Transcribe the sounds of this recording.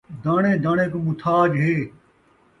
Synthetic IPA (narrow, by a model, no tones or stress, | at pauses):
d̪aːɳẽːd̪ãːɳẽːkomʊt̪ʰaːd͡ʒɦeː